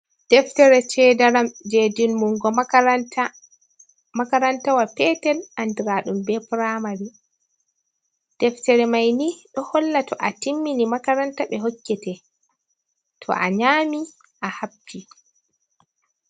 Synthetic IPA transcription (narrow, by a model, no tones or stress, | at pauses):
d̥ɛftɛɾɛt͡ʃɛdaɾamd͡ʒedinmuŋɡɔta | makaɾantawapɛtɛlʔandiɾaɗumbɛpɾamaɾi | d̥ɛftɛɾɛmajniɗɔhɔlːatʰɔʔatimːinimakaɾantaɓɛɦokːɛtɛ | tʰɔ̰ʔa̰ɲaːmi | ʔahab̚d͡ʒi